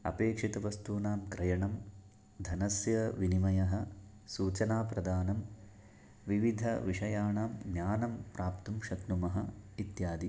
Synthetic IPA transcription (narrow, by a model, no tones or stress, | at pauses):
ɐ̰peːkʂit̪ɐʋɐst̪uːnaːmkɾɐjɐɳɐm | d̪ʱɐnɐsjɐʋinimɐjɐɦɐ̆ | suːt͡ʃɐnaːpɾɐd̪ʱaːnɐm | ʋiʋid̪ʱɐ̰ʋiʂɐjaːɳaːmɡnjaːnɐmpɾaːpt̪umʃɐknumɐɦɐit̪jaːd̪i